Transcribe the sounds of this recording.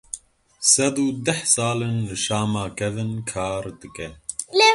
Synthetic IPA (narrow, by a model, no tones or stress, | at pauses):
sɐd̪ud̪ɐhsaːlɨnlɨʃaːmaːkʰɛvɨnkʰaːɾd̪ɨkɛle